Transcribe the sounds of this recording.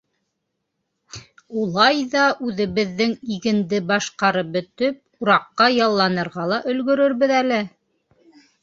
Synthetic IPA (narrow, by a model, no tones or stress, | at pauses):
ulˠɑjðɑʔʉðɘ̆βɘ̆ðːɘŋiɣɘ̆nd̪ɘbɑʃqɑɾɤp̚bɵ̆t̪ɵp̚uɾɑqːɑjɑlˠːɑnɤ̆ɾʁɑlˠɑʔɵ̆lɡɵ̆ɾɵ̆ɾβɘðælɘ